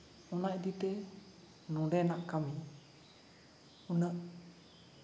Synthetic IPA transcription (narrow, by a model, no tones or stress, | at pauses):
ɔnaʔd̪it̪ɛ | nɔ̃ɖɛnaʔkami | unəʔ